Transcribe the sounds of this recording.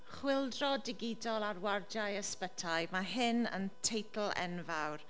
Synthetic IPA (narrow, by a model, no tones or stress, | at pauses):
χwɪlˠdrɔdɪɡɪdɔlˠarward͡ʒajəspətʰajmaɦɪnə̰ntʰejtʰl̩ˠɛ̰nvawr